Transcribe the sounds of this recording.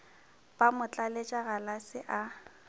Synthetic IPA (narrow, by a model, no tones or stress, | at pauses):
pʼamʊt͡ɬʼalet͡ʃʼaɣalasɪʔa